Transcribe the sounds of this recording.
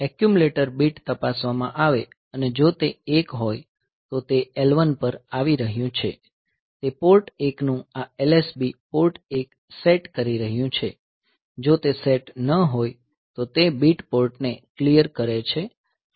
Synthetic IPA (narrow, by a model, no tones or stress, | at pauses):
ɛkjumleʈəɾbiʈt̪əpasʋamãʔaʋe | əned͡ʒot̪eekɦoj | t̪ot̪eelʋənpəɾaʋiɾəɦjũt͡ʃʰe | t̪epoɾʈeknũaelesbipoɾʈek | seʈkəɾiɾəɦjũt͡ʃʰe | d͡ʒot̪eseʈnəɦoj | t̪ot̪ebiʈpoɾʈneklijəɾkəɾet͡ʃʰe